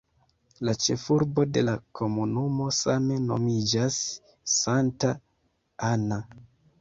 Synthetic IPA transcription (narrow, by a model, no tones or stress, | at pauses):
lat͡ʃe̞fuɾbo̞de̞lakʰo̞munumo̞same̞no̞̰mid͡ʒasː | anta | ana